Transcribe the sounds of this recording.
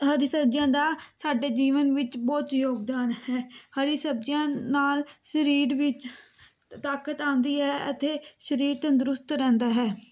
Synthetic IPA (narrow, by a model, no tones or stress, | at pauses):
ɦəɾisəb̚d͡ʒjãːd̪aːsaːɖeːd͡ʒiːʋənʋɪt͡ʃbɔːt̪joːɡd̪aːnhɛːhəɾisəb̚d͡ʒjãːnaːlʃəɾiːɾʋɪt͡ʃ | t̪aːkət̪ãːnd̪iːɦɛːət̪eːʃəɾiːɾt̪ə̃nd̪ʊɾʊst̪ɾɛ̃ːnd̪aːɦɛː